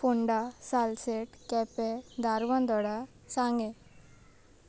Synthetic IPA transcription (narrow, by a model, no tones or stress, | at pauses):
fuɳɖasalseʈkɛped̪ʱaɾʋə̃nd̪ɔɽa | sãŋɡe